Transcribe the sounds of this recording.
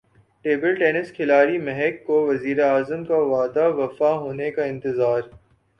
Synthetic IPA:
ʈeːbəlʈeːnɪskʰɪlaːɾimɛɦɛkːoʋɐziːɾeaːzəmkaʋaːd̪aʋɐfaɦoːnekaɪ̃nt̪ɪzaːɾ

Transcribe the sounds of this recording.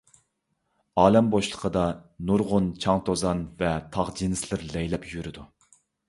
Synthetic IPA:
ɑːlɛmboʃlˠə̥qʰəd̪ɑnuɾʁʊnt͡ʃʰɑŋt̪ʰozɑnvɛt̪ʰɑʁd͡ʒinɪslɪɾlɛjlɛpʰjyɾɪd̪u

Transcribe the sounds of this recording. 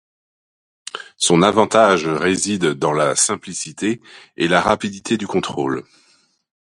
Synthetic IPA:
sɔ̃navɑ̃t̪aʒʁezid̪ːɑ̃lasɛ̃plisit̪eelaʁapid̪it̪ʰed̪ykɔ̃t̪χol

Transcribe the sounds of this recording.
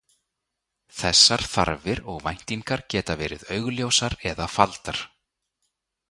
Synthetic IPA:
θɛsːaɾ̥θa̰ɾvɪɾɔɣvajn̥t̪iŋkaɾcɛːt̪avɛːɾɪ̰ðœɥɣljowsaɾɛðafalt̪aɾ̥

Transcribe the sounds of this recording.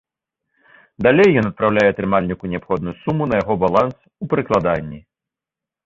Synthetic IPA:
d̪alʲejːɔnɐt̪̚pɾawlʲajɛɐt̪ɾɨmalʲnʲikunʲɛapxɔd̪nujusumunɐjaɣɔbalˠans | upɾɨklˠad̪anʲːi

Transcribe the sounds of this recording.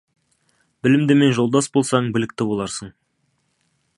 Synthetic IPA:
bɪlɪmd̪ɪme̞nʒo̞lˠd̪ɑsbo̞lˠsɑɴbɪlɪk̚t̪ɪbo̞lˠɑɾsəɴ

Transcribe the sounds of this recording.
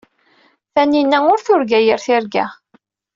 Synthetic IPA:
θæninːæʊɾθʊɾɡæjəɾθɪɾɡæ̰

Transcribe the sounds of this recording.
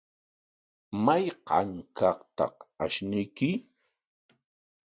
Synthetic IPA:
majqɑ̰ŋkɑqt̪ɑ̰qaʃnɪjkɪ

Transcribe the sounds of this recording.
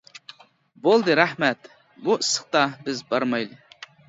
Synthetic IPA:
bolˠd̪ɨɾæhmæt̪ | busːə̥χt̪ɑbɪzbɑɾmɑjlˠɨ

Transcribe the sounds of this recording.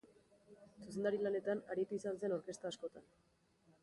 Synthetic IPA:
suse̞nd̪aɾilane̞t̪anaɾit̪uisans̬e̞no̞ɾke̞st̪aːsko̞t̪an

